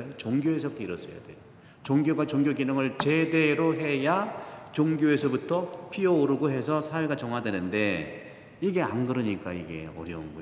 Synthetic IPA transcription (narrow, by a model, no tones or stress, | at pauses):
t͡ɕoŋɡjoɦes̬ʰʌp̚t͈eiɾʌs͈ʌja̰dejo | t͡ɕoŋɡjoɡat͡ɕoŋɡjoɡinɯŋɯɭt͡ɕe̞de̞ɾoɦe̞jat͡ɕoŋɡjoe̞sʰʌbutʰʌpʰiʌoɾɯɡoɦe̞sʰʌsʰaweɡat͡ɕʌŋɦwadwe̞nɯnde̞ | iɡe̞a̰nɡɯɾɯɲik͈aiɡe̞̰ʌ̰ɾjʌunɡʌ